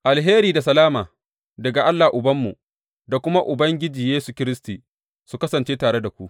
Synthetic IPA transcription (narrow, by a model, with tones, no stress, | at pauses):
ʔa˨lɦeː˦ɾiː˨da˨s̬ɐ˨laː˦maː˨ | dɐ˨ɡa˨ʔa˦lːaː˨ʔʊ˨bɐ˦mːṵ˨ | da˨kʷʊ˦ma˦ʔʊ˨bɐ˦ŋɡʲɪ˦d͡ʒiː˨jeː˦su˨kʲɪ˦ɾɪ˦stiː˨ | su˨kɐ˦sɐ˨nt͡ʃeː˦taː˨ɽe˦da˨kʷu˦ʔ